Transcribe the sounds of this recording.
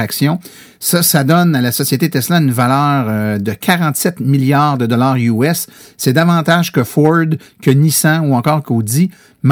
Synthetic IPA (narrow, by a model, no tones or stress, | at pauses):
aksjɔ̃ | sʌsad̪ɔnalasɔsjet̪et̪ɛslãynvalœːʁd̪əkʰʲaʁɑ̃t̪sɛt̪miljaːʁd̪əd̪ɔlaːʁyɛsː | ɛd̪avɑ̃ːt̪aʒkəfɔɹd̪kʲənisãuɑ̃kɔːʁkod͡z̪i | m